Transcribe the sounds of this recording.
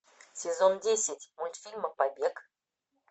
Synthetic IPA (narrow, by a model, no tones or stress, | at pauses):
sʲɪzondʲesʲɪtʲmulʲt̪fʲilʲməpabʲek